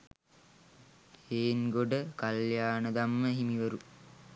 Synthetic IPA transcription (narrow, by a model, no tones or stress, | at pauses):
eːnɡoɖəkaljaːnəd̪amːəɦimiʋəɾu